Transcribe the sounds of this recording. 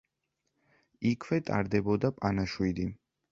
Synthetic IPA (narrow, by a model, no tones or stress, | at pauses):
ikʰwɛt̪ʼa̰ɾd̪ɛbɔd̪apʼanaʃwid̪i